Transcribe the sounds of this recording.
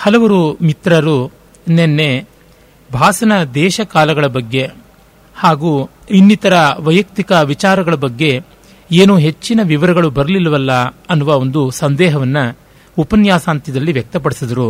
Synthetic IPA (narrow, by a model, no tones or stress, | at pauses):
hɐlɐʋɐɾumit̪ɾɐɾu | nenːe̞ | bʱaːsɐnɐd̪ɛːʃɐkaːlɐɡɐɭɐbɐɡːe̞ | haːɡuː | inːit̪ɐɾɐʋɐjɐk̚t̪ikɐʋit͡ʃaːɾɐɡɐɭɐbɐɡːe̞ | eːnuɦet͡ʃːinɐʋiʋɐɾɐɡɐɭubɐɾɐlilɐʋɐlːɐɐnːuʋao̞nd̪usɐnd̪ɛːɦɐʋɐnːɐ | upɐnjaːsaːnt̪id̪ɐlːiʋjɛk̚t̪ɐp̬ɐɽisid̪ɐɾu